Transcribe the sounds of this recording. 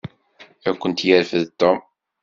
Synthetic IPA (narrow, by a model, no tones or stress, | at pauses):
ækʷːənt̪jəɾfəðt̪ːɔm